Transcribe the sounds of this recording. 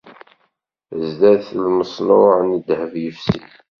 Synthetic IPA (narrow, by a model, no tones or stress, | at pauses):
əzd̪æθlməsˤnʊʕnid̪həvjəfsḭ